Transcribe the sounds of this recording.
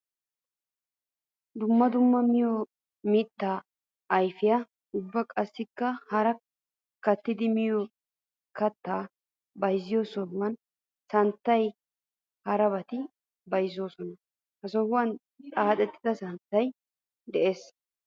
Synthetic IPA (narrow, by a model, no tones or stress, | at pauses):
d̪ʊmːɐd̪ʊmːɐmɪjɔ | mit̪ːaː | jfɪjɐ | ʊbːɐkʼɐsːɪkːɐhɐɾɐ | kɐt̪ːɪd̪ɪmɪjɔ | kɐt̪ːaː | bɐjzːɪjosɔhʊwɐn | sɐnt̪ːɐj | hɐɾɐbɐt̪ɪ | bɐjzːoːsɔnɐ | hɐsɔhʊwɐn | t͡sʼaːt̪ʼɛt̪ːɪd̪ɐsɐnt̪ːɐj | d̪ɛʔeːs